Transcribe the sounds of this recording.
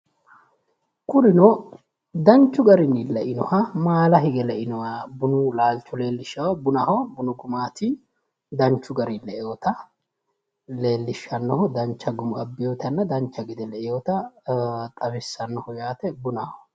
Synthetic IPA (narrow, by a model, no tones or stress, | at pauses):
kʊɾɪnɔ | d̪ɐnt͡ʃːʊɡɐɾɪnːɪlɛʔɪnɔhɐmaːlɐɦɪɡɛlɛʔɪnɔwabʊnʊlaːlt͡ʃːɔle̞ːlːɪʃːɐwɐbʊnɐhɔwbʊnʊɡʊmaːt̪ɪ | d̪ɐnt͡ʃːʊɡɐɾilɛʔjjoːt̪ɐ | le̞ːlːɪʃːɐnːɔhɔd̪ɐnt͡ʃːɐɡʊmʊɐbːɪjoːt̪ɐnːɐd̪ɐnt͡ʃːɐɡɪd̪ɛlɛʔɪjoːt̪ɐ | t̪ʼɐfɛsːɐnːɔhɔjaːt̪ɛbʊnɐhɔ